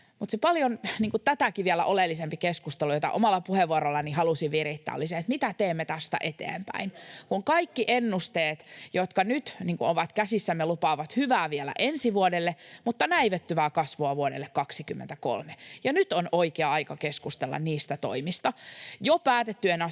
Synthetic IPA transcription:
mut̪sepɑljonniːŋkut̪æt̪ækiʋiɛlæ̰ʔolelːisempikeskust̪elujot̪ɑ̰ʔomɑlːɑpuheʋːuoɾolːɑnihɑlusiʋʋirit̪ːæ̰ːlːiseet̪mit̪æt̪eːmːet̪æst̪æ̰ʔet̪ḛːmpæ̰inkuŋkɑikːiʔenːust̪eːt̪jot̪kɑnyt̪niːŋkuoʋɑt̪kæsisːæmːelupɑːʋɑt̪hyʋæːʋiɛlæ̰ʔensiʋuodelːemut̪ːɑnæiʋet̪ːyʋæːkɑsʋoɑʋuodḛlːekkɑksikymːḛnt̪æko̰lmejɑnyt̪onoikeɑɑikɑkeskust̪elːɑ̰nniːst̪æt̪o̰imist̪ɑjopæːt̪et̪ːyenɑ

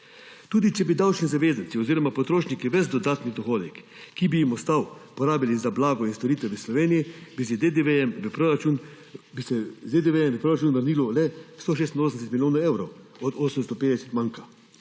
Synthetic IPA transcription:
t̪uːd̪it͡ʃɛbid̪awt͡ʃnizaʋeːzant̪siɔziːɾɔmapɔt̪ɾoːʃnikiʋəzd̪ɔd̪aːt̪nid̪ɔxoːd̪ɛkː | ibijimɔst̪awpɔɾaːbjalizablaːɡɔinst̪oɾiːt̪ʋɛʋəslɔʋeːnijibized̪ed̪eeməpɾoɾat͡ʃun | bisɛzed̪eʋeɛmʋəpɾoːɾat͡ʃuːnʋəɾniːlɔlɛst̪oʃ̬est̪nosənɛsɛt̪miljoːnaɛwɾɔw | ɔd̪oːsəmst̪ɔpeːd̪ɛsɛ̥t̪mãŋka

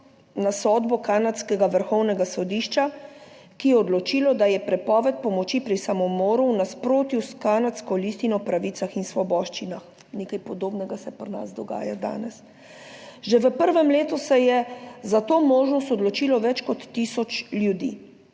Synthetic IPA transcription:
nasɔːd̪bɔkanat̪skɛɡaʋəɾxɔwnɛɡasɔd̪iʃt͡ʃakijɛɔd̪lɔt͡ʃiːlɔd̪ajɛpɾɛpɔːʋɛt̪̚pɔmɔt͡ʃipɾisamɔmoːɾunaspɾoːt̪juskaːnat̪skɔlist̪inɔpɾaʋit̪axinsʋɔbɔːʃt͡ʃinax | neːkajpɔd̪oːbnɛɡasɛpɾna̰zd̪ɔɡa̰ːjad̪a̰ːnɛs | ʒeʋəpəɾʋɛmleːt̪usɛjɛzat̪oːmoːʒnɔst̪ɔd̪lɔt͡ʃiːlɔʋɛt͡ʃkɔt̪ːisɔt͡ʃljud̪ḭː

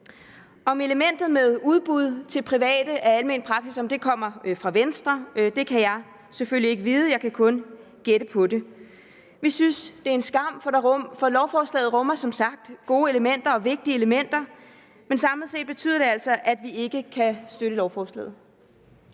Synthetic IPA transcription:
ɒ̽me̝ləmen̰d̥ð̞̩ˠmeð̞ˠuðˠb̥uð̞̰ˠt͡sʰe̝lpʰʁiʋɛ̰ːd̥əʔæɐælme̝nd̥̚pʰʁɑ̈ɡ̥sisɒ̽md̥e̝kʰɒ̽m̰ɐfʁɑ̈ʋensd̥ʁɐd̥e̝kʰæjɑ̈ɪ | seføl̰lie̝ɡ̥əʋiːð̞̩ˠəjɑ̈ɪkʰækʰɔ̽n | ɡ̥eɾ̥əpʰɒ̽de̝ | ʋisynsd̥e̝æɐe̝nsɡ̥ɑ̈m̰fɒ̽lɒʊfɒːslɛ̰ːð̞̩ˠʁɔ̽mɐsɒ̽msɑ̈ɡ̥̚d̥ɡ̥o̝ːe̝ləmen̰d̥ɐɒ̽ʋe̝ɡ̥̚d̥iəe̝ləmen̰d̥ɐ | mensɑ̈mlð̩ˠse̝̰ːd̥̚b̥e̝t͡sʰy̰ð̰ˠɐd̥e̝æl̰sɒ̽ʔæd̥ʋie̝ɡ̥əkʰæsd̥øɾəlɒʊfɒːslɛ̰ːð̩ˠ

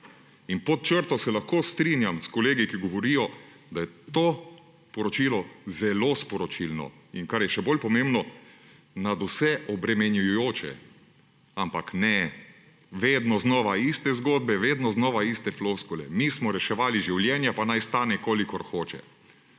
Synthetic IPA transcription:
inpɔt̪̚t͡ʃəɾt̪ɔsɛlaxkoːst̪ɾinjamskɔleːɡikiɡɔʋɔɾijɔ | d̪ajɛt̪oː | pɔɾɔt͡ʃilɔzɛlospɔɾɔt͡ʃilnɔ̰ | ḭnkaɾjɛʃɛboːlpɔmembnɔ | nad̪usɛʔɔbɾɛmɛnjujujoːt͡ʃɛ̰ | ampaknɛ | ʋeːd̪nɔznɔːʋaist̪ɛzɡoːd̪̚bɛʋeːd̪nɔznɔːʋaist̪ɛfloskulɛ̰mismɔɾɛʃɛʋaːliʒiwljɛːnjapanajst̪aːnɛkoːlikɔɾxoːt͡ʃɛ̰

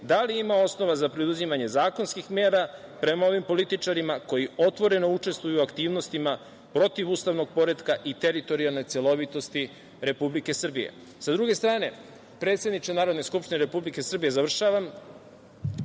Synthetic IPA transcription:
d̪aliimao̞sno̞ʋazapɾid̪uzimaɲe̞zaːko̞nskixmeːɾapɾe̞mao̞ʋimpo̞lit̪it͡ʂaɾimako̞jio̞t̪ʋo̞ɾe̞nout͡ʂe̞st̪ʋujuakt̪iːʋno̞st̪ima | pɾo̞t̪iʋuːst̪aʋno̞ɡ̚po̞ɾe̞d̪kaʔit̪e̞ɾit̪o̞ɾialˠno̞jt̪sjelˠo̞ʋit̪o̞st̪i | ɾe̞publike̞sr̩bijḛ | sad̪ɾuɡe̞st̪ɾaːne̞ | pɾe̞ːt̪sje̞d̪nit͡ʃ̪enaːɾo̞d̪ne̞skupʃt̪ineɾe̞publike̞sr̩bije̞zaʋr̩ʃaːʋam

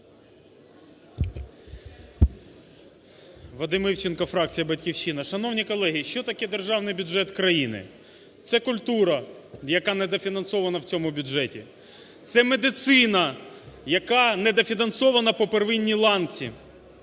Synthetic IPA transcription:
ʋɐd̪ɪmɪwt͡ʃɪnkɔfɾɑk̚t͡sʲijɐbɐtʲkʲiwʃt͡ʃːinɐʃɐn̪ɔwnʲikɔlˠɛɦiʃt͡ʃɔt̪ɐkɛd̪erʒɑwnɪjbʲʊʒɛt̪kɾɐjinɪ̰ | t̪sɛkʊlʲt̪uɾɐ | jɐkɑnɛd̪ɐfʲinɐnsɔʋɐnɐwt͡sʲɔmʊbʲʊʒɛtʲi | t̪sɛmed̪ɪt̪sɪnɐjɐkɑnɛd̪ɐfʲinɐnsɔʋɐnɐpɔperʋɪnʲːilˠɑnt͡sʲḭ

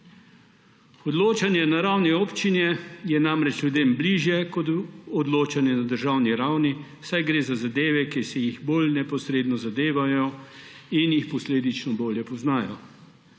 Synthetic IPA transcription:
ɔd̪loːt͡ʃanjɛnaɾawnioːpt͡ʃinjɛjɛnamɾɛt͡ʃlʲjud̪eːmbliːʒjɛkɔt̪ɔd̪loːt͡ʃanjɛnad̪əɾʒawniɾawni | sajɡɾeːzazad̪eːʋɛkisɛjiɣbolnɛpɔsɾeːd̪nɔzad̪eːʋajɔ | injixpɔsleːd̪it͡ʃnɔboːljɛpɔznaːjɔ̰

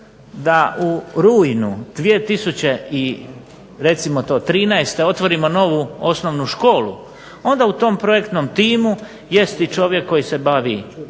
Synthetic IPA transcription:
d̪aʔuɾujnud̪̥ʋie̞t̪isut͡ɕe̞i | ɾe̞t̪simot̪o̞ːt̪ɾiːnɛest̪e̞o̞t̪ʋo̞ɾimo̞no̞ʋuo̞snoʋnuʃko̞ːlṵ | o̞nd̪aut̪o̞mpɾo̞jekt̪nomt̪iːmu | je̞st̪it͡ʃo̞ʋje̞kːo̞jise̞baʋḭ

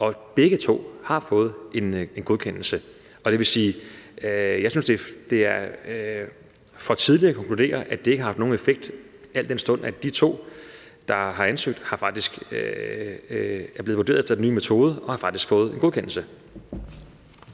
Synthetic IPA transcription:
ʔɒ̽b̥eɡ̥ət͡sʰo̝̰ːhɑ̈fɔ̽ːð̞̩ˠe̝ne̝nɡ̥o̝ðˠkʰen̰l̩sə | ɒ̽d̥e̝ʋe̝siː | jɑɪsynsd̥e̝d̥e̝æɐ | fɒ̽t͡sʰið̞ˠliɐːkʰɒ̽ŋkʰlud̥e̝̰ːɐʔæd̥e̝eɡəhɑfd̥no̝ːnefeɡ̥̚d̥ | æl̰d̥ensd̥ɔ̽n̰æd̥it͡sʰo̝̰ː | d̥ɑ̈ɦɑ̈ænsøɡ̥̚d̥hɑ̈fɑ̈ɡ̥̚d̥isɡ̥ | æɐble̝ðˠʋo̝de̝̰ːɐð̩ˠefd̥ɐd̥enyːmet͡sʰo̝ːð̞ˠəʔɒ̽hɑ̈fɑ̈ɡ̥d̥isɡ̥fɔ̽ːð̞̩ˠe̝nɡo̝ðˠkʰenl̩sə

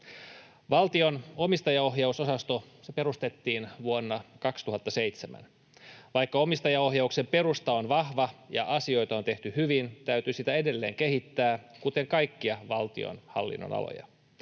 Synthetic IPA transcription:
ʋɑlt̪io̞no̞mist̪ɑjɑo̞ɦjɑusosɑst̪osepe̞ɾust̪e̞t̪ːiːnʋuonːɑkɑkst̪uɦɑt̪ːɑse̞jt̪semæ̰n | ʋɑjkːɑo̞mist̪ɑjɑoɦjɑukse̞mpe̞ɾust̪ɑonʋɑhʋɑjɑ̰ʔɑsio̞jt̪ɑo̞nt̪e̞ht̪yhyʋint̪æyt̪ysit̪æe̞de̞lːe̞̰ːŋke̞ɦit̪ːæːkut̪e̞ŋkɑjkːiɑʋɑlt̪ḭo̰nhɑ̰lːḭnːo̰nɑ̰lo̰jɑ̰

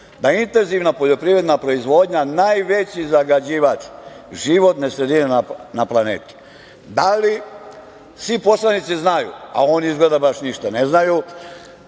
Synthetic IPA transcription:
d̪aint̪e̞nziʋnapo̞ʎo̞pɾiʋɾe̞d̪napɾo̞izʋo̞d̪ɲanajʋe̞t͡ɕizaɡad͡ʑiːʋat͡ʃ | ʒiʋo̞t̪nesɾe̞d̪inenanaplˠanḛːt̪u̥ | d̪ali | sʋipo̞slˠanit̪siznajṵa̰oːniizɡled̪abaʃniʃt̪ane̞znaju

